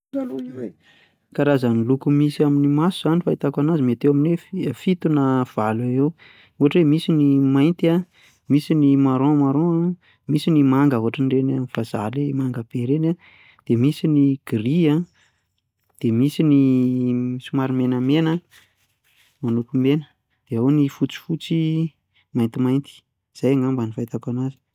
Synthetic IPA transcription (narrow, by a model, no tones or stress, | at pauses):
kaɾazənilukumisiaminimasuzanifait̪akanazimet̪ewamineffit̪unav̥alaew | uɦaʈ͡ʂemisinimajnt̪ia | misinimaɾõmaɾõa | misinimaŋɡəɦuɦaʈ͡ʂanirenafazalemaŋɡəb̥eɾena | d̪̥emisiniɡ̥iɾia | d̪̥emisini | sumaɾimenəmenə | manukumenə̥ | d̪̥eownifut͡si̥fut͡si | majnt̪imajnt̪i̥ | z̥ajaŋambanifajt̪akanazi̥